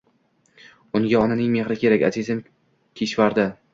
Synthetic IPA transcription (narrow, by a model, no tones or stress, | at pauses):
ʊŋɡʲaɒnanɪŋme̞χɾɪkʲʰe̞ɾakʲa̰zizɪm | kʲʰeʃvaɾd̪ɪ